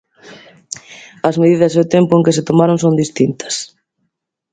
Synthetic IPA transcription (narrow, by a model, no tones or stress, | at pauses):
ɐzmeðiðɐseʊt̪empʊeŋkɪset̪omaɾoŋsond̪ist̪int̪ɐ̥s